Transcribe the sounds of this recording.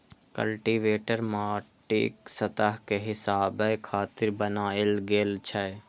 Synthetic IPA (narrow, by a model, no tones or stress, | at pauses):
kə̰lʈiʋeːʈəɾmaːʈḭːksət̪əɦkeɦɪsaːbəkʰaːt̪ɪɾbənaːelɡeːlt͡ʃʰə